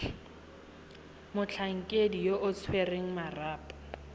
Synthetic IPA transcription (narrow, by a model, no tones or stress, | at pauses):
mʊt͡ɬʰaŋ̩kʼedijoʔʊt͡sʰwereŋ̩maraːpʼḁ